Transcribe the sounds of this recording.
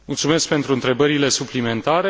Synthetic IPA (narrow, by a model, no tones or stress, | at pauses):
mult̪sume̞sk̚pe̞nt̪ɾuɨnt̪ɾe̞bəɾile̞suplime̞nt̪aɾe